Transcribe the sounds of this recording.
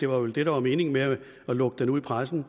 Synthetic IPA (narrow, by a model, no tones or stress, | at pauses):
d̥e̝ʋɑ̈ʋeld̥eɾ̥ɑ̈ʋɑ̈me̝ːne̝ŋme | ɒ̽lɔ̽ɡ̥̚d̥enuðˠipʰʁasn̩